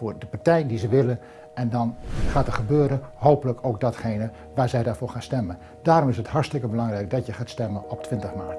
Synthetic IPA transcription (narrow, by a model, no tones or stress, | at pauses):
fʊːɹdəpaɹtɛjndizəʋɪlən | ɛndɑnχaːtəχəbøːɾənɦowpələkʰowɡ̚dɑtχejnə | ʋaːɹzɛjdaːɹv̥ʊːɹχaːnstɛmən | daːɾɔmɪsətɦɑɹstɪkəbəlɑŋrɛjk̚dɑtjəχaːtstɛmənɔp̚tʰʋɪntəχmaːt